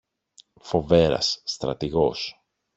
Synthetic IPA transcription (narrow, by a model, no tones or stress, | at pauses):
fo̞ve̞ɾɐ̰sːt̪ɾɐ̰t̪iɣo̞s